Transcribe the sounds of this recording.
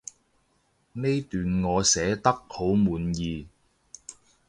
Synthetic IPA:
ne˥jt̪yː˨nŋɔː˨˧sɛː˨˥t̪ɐ˥k̚ho˨˥wmuː˨˥njiː˨˧

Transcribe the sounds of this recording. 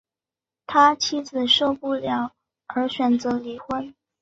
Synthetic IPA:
t̪ʰa˥t͡ɕʰi˥d͡zɹ̩˨˩ʂo˥˧ʊpu˥˩ljɑ˨˩˦ʊ | ə˞˧˥ɕɥɛ˨˩nt͡sɤ˧˥li˨˩xwə˥n

